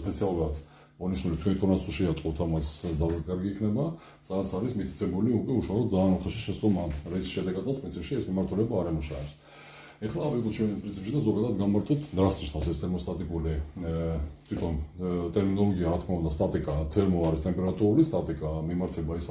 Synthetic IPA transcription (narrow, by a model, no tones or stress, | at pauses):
spʼɛt̪sʰialˠuɾad̪ | ɔniʃnulit̪ʰwʰɛnit̪ʼɔɾnast̪uʃiat̪ʼqʼɔt̪ʰamasd̪zalzɛt̪kʼaɾɡiːkʰnɛba | sad̪at̪sʰaɾismit̪ʰi̥t̪ʰɛbuliukʼwɛuʃalˠɔt̪d̪zaːnɔχaʃi̥ʃɛst̪ʼɔmaɾɛsi̥ʃɛd̪ɛɡad̪at̪spɾinsʰipʃiɛsmimaɾt̪ʰulɛbaːɾɛmuʃa̰ɛps | ɛχlaːvkʼɔt̪t͡ʃʰwɛnpʼɾinsipʃid̪azɔɡad̪ad̪ɡanmaɾt̪ʼɔt̪ʰd̪ɾasniʃnʰasɛst̪ʰɛɾmɔst̪ʼat̪ʼikʼuli | t̪ʰwit̪ʰɔnt̪ʼɛɾminɔlˠɔɡiaɾat̪ʰkʰmaund̪ast̪ʼat̪ʼikʼat̪ʰɛɾmɔaɾist̪ʼɛmpʼɛɾat̪ʼuɾulist̪ʼat̪ʼikʼamimaɾt̪ʰɛbais